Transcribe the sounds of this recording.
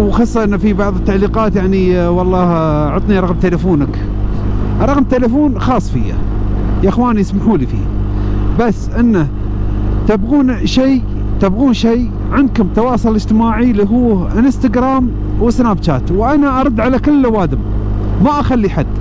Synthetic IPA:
wxɑsˤːɑʔɪnːafibɑʕðˤət̪ːaʕliːqɑːt̪jaʕniwɑlˤːɑːhʕʊt̪ˤniɾˤɑɣmt̪elafuːnak | ɾˤɑɣmt̪elafuːnxɑːsˤfija̰ | jaʔɪxwaːniɪsmaħuːlifḭː | basːʔɪnːa | t̪abɣuːnʃej | t̪abɣuːnʃej | ʕɪnd̪̚kʊmt̪ɑwɑːsˤʊlɪd͡ʒt̪ɪmaːʕiliɦuːʔɪnɪst̪aɡɾaːm | wɪsnaːbt͡ʃaːt̪wʔanaʔɑɾˤɑd̪ːʕalakɪlːawaːd̪ɪm | maʔaxalːiħad̪

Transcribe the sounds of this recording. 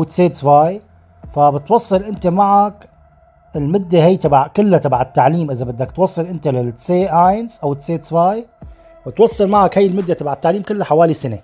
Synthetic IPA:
wɪt̪seːt̪svaj | fabɪt̪wɑsˤːɨlʔɪnt̪emaʕak | ɪlmʊd̪ːeɦajːt̪ɑbʕkʊlːat̪ɑbʕat̪ːaʕliːmʔɪzabɪd̪ːakt̪wɑsˤːɨlʔɪnt̪alɪseːʔajnsʔawɪt̪seːt̪svaːj | bɪt̪wɑsˤːɨlmaʕakhajːɪlmʊd̪ːet̪ɑbaʕat̪ːaʕliːmkɪlːaħawaːlisane

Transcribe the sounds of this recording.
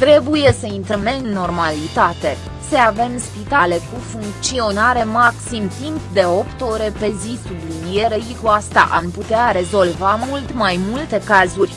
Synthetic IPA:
t̪ɾe̞buje̞səint̪ɾəmeɨnːo̞rmalit̪at̪e̞ | səave̞mspit̪ale̞kufuŋk̚t̪sio̞naɾe̞maksimt̪impd̪e̞o̞pt̪o̞ɾe̞pe̞zisublinije̞ɾeʃikuast̪a̰ʔa̰mput̪eaɾe̞zo̞lvamult̪majmult̪e̞kazurʲ

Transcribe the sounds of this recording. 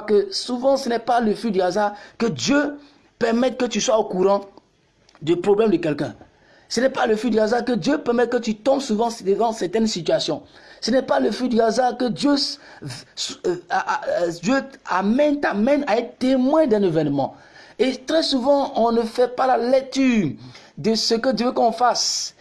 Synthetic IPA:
kəsuvɑ̃sənɛpaləfyd̪yɡazaʁkəd̪jø | pɛʁmɛt̪̚kət̪yswaokuɾɑ̃ | d̪əpɾoblɛmd̪əkɛlkɛ̰̃ | sənɛpaləfid̪yɡazaʁkəd̪jøpɛʁmɛt̪̚kət̪yt̪ɔ̃bsuvɑ̃d̪əvɑ̃sɛʁt̪ɛnsit̪yasjɔ̃sənɛpaləfid̪yɡazakəd̪jø | d̪jøamɛ̃nt̪amɛ̃naɛt̪t̪emwɛ̃d̪ɛ̃nevɛnmɑ̃ | et̪ɾɛsuvɑ̃ɔ̃nəfɛpalalɛk̚t̪yː | d̪əsəkəd̪jøvəkɔ̃fas

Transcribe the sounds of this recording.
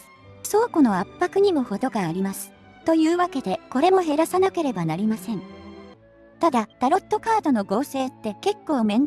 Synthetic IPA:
so̞ːkono̞apːakɯ̟ɲ̟imoho̞d̪o̞ɡaːɾʲimasɨ̥ | t̪o̞jɯ̟ːβake̞d̪e̞ko̞ɾe̞mo̞ɦe̞ɾasanake̞ɾe̞banaɾʲimasẽ̞ɴ | t̪ad̪ad̪̥aɾo̞t̪ːo̞kaːd̪o̞no̞ɡo̞ːse̞ːt̪ːe̞ke̞kːo̞ːmẽ̞n

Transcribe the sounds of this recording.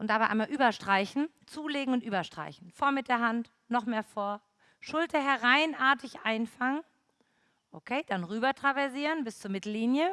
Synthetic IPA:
ʔʊntd̥abaɪʔa̰ɪmalʔyːbɐʃtʁ̥aɪçn̩ | t͡suːleːɡŋ̩ʊntʔyːbɐʃtʁ̥a̰ɪçn̩foːɐmɪt̚d̥eːɐɦant | nɔχmeːɐfoːɐ | ʃʊltɐɦɛʁaɪnʔaːɐtɪçʔaɪnfaŋən | ʔokʰeːd̥anʁyːbɐtʁ̥avɛɐziːʁənbɪst͡suːɐmɪtl̩ːiːnjə

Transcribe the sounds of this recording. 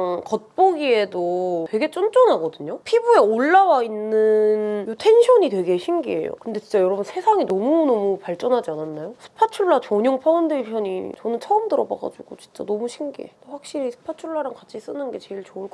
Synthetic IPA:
ŋkʌt̚p͈oɡie̞dotwe̞ɡe̞t͡ɕ͈ont͡ɕ͈onɦaɡʌdɯɲopʰibue̞oɭːawainːɯnjutʰe̞nɕʰʌɲitwe̞ɡe̞ɕʰimɡie̞̰jo̰kɯnde̞t͡ɕint͡ɕ͈ajʌɾʌbunsʰe̞sʰaŋinʌmunʌmupaɭt͡ɕ͈ʌnɦad͡ʑiananːajosʰɯ̥pʰat͡ɕʰuɭːat͡ɕʌɲoŋpʰaundɯɭpʰjʌɲḭt͡ɕʌnɯnt͡ɕʰʌɯmdɯɾʌba̰ɡa̰d͡ʑuɡot͡ɕi̥nt͡ɕ͈a̰nʌmuɕʰinɡḛt͈oɸwak̚ɕ͈iɾisʰɯ̥pʰat͡ɕʰuɭːaɾaŋkat͡ɕʰis͈ɯnɯnɡe̞t͡ɕe̞iɭt͡ɕoɯɭk͈

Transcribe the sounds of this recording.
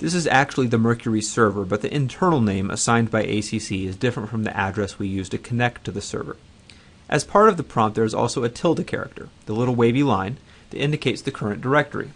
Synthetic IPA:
ðɪs̬ɨzæk̚t͡ʃul̩ˠiðɨmɜ˞kʰjə˞isɜ˞və˞bʌt̪̚ðiʔɨ̃ntʰɜ̃˞nl̩ˠnẽɪ̃mə̰sãɪ̃nbaɪʔḛɪsisiɨzdɪfɹə̃ntfɹʌ̃mðḭʔædɹɛswijʉz̥tʰɨkʰɨnɛk̚tʰɨðɨsɜ̰˞və̰˞ | ʔɨz̥pʰɑɹɾʌvðəpʰɹ̥ɑ̃mp̚ðə˞ɨzɔ̰lˠsoʊɨtʰɪlˠtɨkʰɛ̰ɹɨ̰k̚tʰə̰˞ðəlɪɾl̩ˠweɪvilãɪ̃n | ðɨɾɪ̃ndɨkʰeɪtsðɨkʰɜ˞ɨ̃nd̥ə˞ɛk̚tə̰˞ḭ

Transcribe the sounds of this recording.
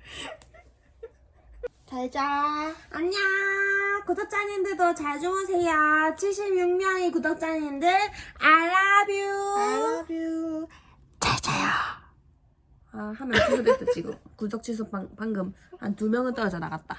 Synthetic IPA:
t͡ɕaɭd͡ʑaaɲa | kudʌk̚t͡ɕ͈aɲindɯɭdot͡ɕaɭd͡ʑuŋɯnsʰeijat͡ɕʰiɭɕ̬͈ʰibɲuŋɲʌŋekudʌk̚t͡ɕ͈aɲindɯɭaɭːabju | bu | t͡ɕaɭt͡ɕ͈ajo | ahamjʌnkusʰodet͈ɯt͡ɕ͈iɡɯ̰mkusʌk̚t͡ɕʰis̬ʰopaŋpaŋɡɯmha̰ntumjʌŋɯɭt͈ʌɾʌd͡ʑʌna̰ɡat̚t͈a

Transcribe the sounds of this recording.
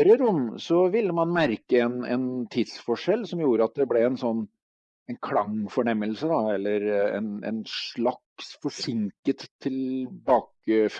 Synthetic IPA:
ɾəɾʊmːsɔʋɪlːəmɑnmæɾkəɛnɛ̰nt̪ʰɪd̪sfɔʂɛlːsɔmjuːɾəɑt̪̚d̪ɛblɛɛnsɔnː | ɛnkʰlɑŋfɔɳɛmːəlsəd̪ɑɛlːəɾɛ̰nɛ̰nʂɭɑksfɔʂɪŋkət̪ʰːɪlbɑːkəf

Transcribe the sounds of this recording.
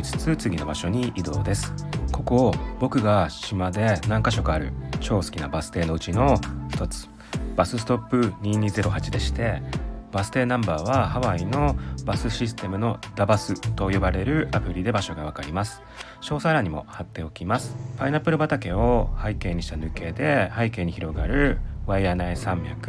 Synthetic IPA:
it͡sɨ̥t͡sɨt͡sɨɡʲino̞baɕo̞ɲ̟iʔid̪o̞̰ːd̪e̞sɨ̥ko̞ko̞bo̞kɯ̟ɡaɕimad̪e̞nãŋkaɕo̞kɯaɾɯ̟̰t͡ɕo̞ːsɨ̥kʲinabasɨ̥t̪e̞ːno̞ɯ̟t͡ɕino̞çi̥t̪o̞t͡sɨ̥ | b̥asɨsɨ̥t̪o̞pːɯ̟ɲ̟iɲ̟ize̞ɾo̞hat͡ɕid̪e̞ɕi̥t̪e̞b̥asɨ̥t̪e̞ːnãmbaːβahaβaino̞basɨɕis̬ɨ̥t̪e̞mɯ̟no̞d̪abasɨt̪o̞jo̞baɾe̞ɾɯ̟ʔapɯ̟ɾʲid̪e̞baɕo̞ɡaβ̞akaɾʲimasɨ̥ | ɕo̞ːsaɾaɲ̟imo̞̰hat̪ːe̞o̞kʲimasɨ̥painapːɯɾɯ̟bat̪ake̞o̞haike̞ːɲ̟iɕi̥t̪anɯ̟ke̞ːd̪e̞haike̞ːɲ̟içiɾo̞ɡaɾɯ̟βaijanaisãmbʲja̰kɯ̥

